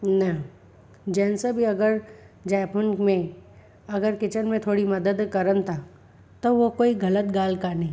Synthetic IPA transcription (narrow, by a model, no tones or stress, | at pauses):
nɐ | d͡ʒɛ̃ːnsabʱiɐɡəɾ | d͡ʒɛːponmẽ | ɐɡəɾkɪt͡ʃənmẽt̪ʰoːɽimɐd̪əd̪kɐɾənt̪ʰa | t̪oʋokoːiɡɐlət̪ɡaːlkanɐɦĩ